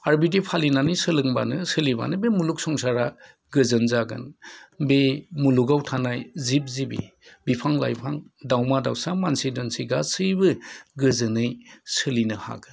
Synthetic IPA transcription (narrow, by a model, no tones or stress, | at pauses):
aɾbidipʰalinanɯjsɯlɯŋba̰nɯsɯliba̰nɯbemuluk̚sɔŋsaɾa | ɡɯzɯnzaɡɯ̰nbemuluɡawtʰanajzip̚zibḭ | bipʰaŋla̰jpʰaŋdawmadawsamansidɔnsiɡasɯjbɯɡɯzɯnɯjsɯlinɯha̰ɡɯn